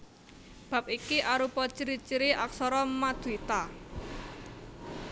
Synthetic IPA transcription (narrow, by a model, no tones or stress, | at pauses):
b̥a̤p̚ikiʔaɾupɔt͡ʃiɾit͡ʃiɾiʔaksɔɾɔmad̪̥uit̪a